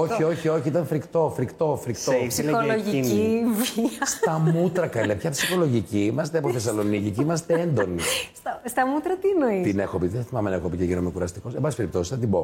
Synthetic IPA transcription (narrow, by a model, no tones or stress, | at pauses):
oçio̞çio̞çiit̪ɐnfɾikt̪o̞fɾikt̪o̞fɾikt̪osileoloʝiiviɐst̪ɐmut̪ɾɐkɐlepçɐpsixo̞lo̞ʝiciimɐs̬t̪eɐpoθesɐlo̞niciciimɐs̬t̪eend̪o̞nist̪ɐst̪ɐmut̪ɾɐt̪inoit̪inexopit̪ðeθɐθimɐmenɐexopiceʝinomeokuɾɐst̪iko̞sembɐsispeɾip̚t̪o̞sisðɐt̪ibo̞